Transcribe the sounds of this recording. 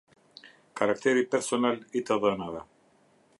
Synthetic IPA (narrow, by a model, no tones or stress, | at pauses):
kaɾakt̪ɛɾipɛɾsɔnalit̪əðənaðɛ